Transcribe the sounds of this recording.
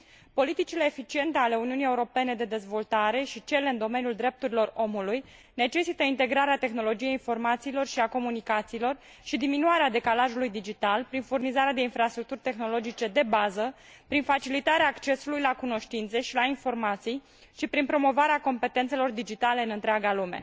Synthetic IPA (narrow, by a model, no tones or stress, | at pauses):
po̞lit̪it͡ʃile̞ːfit͡ʃie̞nt̪eale̞uniunijeuɾo̞pe̞ne̞d̪e̞d̪e̞zvo̞lt̪aɾe̞ʃit͡ʃe̞le̞ɨnd̪o̞me̞niuld̪ɾe̞p̚t̪uɾilo̞ro̞muluj | ne̞t͡ʃe̞sit̪əint̪e̞ɡɾaɾeat̪e̞xno̞lod͡ʒije̞jinfo̞rmat̪siːlo̞rʃiako̞munikat̪siːlo̞r | ʃid̪iminuaɾead̪e̞kalaʒulujd̪id͡ʒit̪alpɾinfurnizaɾead̪e̞infɾast̪ɾuk̚t̪urʲt̪e̞xno̞lo̞d͡ʒit͡ʃe̞d̪e̞bazə | pɾinfat͡ʃilit̪aɾeaːkt͡ʃe̞sulujlakuno̞ʃt̪int̪se̞ʃilainfo̞rmat̪sij | ʃipɾinpɾo̞mo̞vaɾeako̞mpe̞t̪ent̪se̞lo̞rd̪id͡ʒit̪aleɨnɨnt̪ɾeaɡalume̞̰